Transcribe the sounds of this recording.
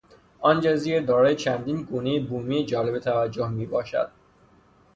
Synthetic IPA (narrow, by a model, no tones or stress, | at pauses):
ʔɒːnd͡ʒɒziːɾd̪ɒːɾɒːjet͡ʃʰænd̪iːnɡuːnejebuːmijed͡ʒɒːle̞bet̪ʰævæd͡ʒːohmiːbɒːʃæ̰d̪̥̚